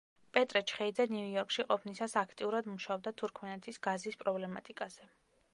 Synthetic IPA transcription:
pʼɛt̪ʼɾɛt͡ʃʰχɛid̪zɛnujɔɾkʼʃiqʼɔpʰnisasakʰt̪ʼiuɾad̪muʃaɔb̚d̪at̪ʰuɾkʰmɛnɛt̪ʰisɡ̥azispʼɾɔblɛmat̪ʼikʼaz̥ɛ

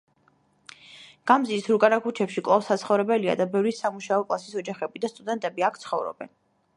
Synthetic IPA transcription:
ɡ̥amziːsɾukʼanakʰut͡ʃʰɛpʃikʼlˠafsat̪sʰχɔvɾɛbɛlia̰d̪abɛvɾisamuʃaɔkʼlˠasisɔd͡ʒaχɛbid̪ast̪ʼud̪ɛnt̪ʼɛbiakʰt̪sʰχɔvɾɔ̰bɛ̰n

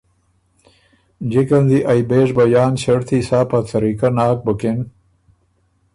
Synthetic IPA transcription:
d͡ʑekɐnd̪iʔajbeːʂbɐjaːnɕɐɽt̪ʰisaːpat͡s̪ɐɾikanaːk̚boken

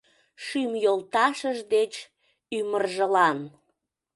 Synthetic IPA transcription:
ʃymjolt̪ɑʃəʒd̪et͡ɕ | ymərʒəlɑn

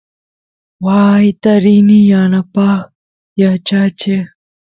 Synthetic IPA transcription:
waːjt̪ɐɾiːnijaːnapaːx | jat͡ʃat͡ʃʰe

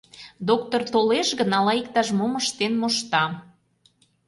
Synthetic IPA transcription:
d̪ok̚t̪ort̪oleʃɣənɑlɑik̚t̪ɑʃmoməʃt̪enmoʃt̪ɑ

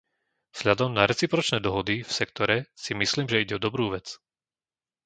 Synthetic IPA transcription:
z̥ʎad̪ɔmnaɾɛt͡sipɾɔt͡ʃnɛːd̪ɔɦɔd̪ifsɛkt̪ɔɾɛsimisliːmʒɛiɟɛɔd̪ɔbɾuːʋɛt͡s

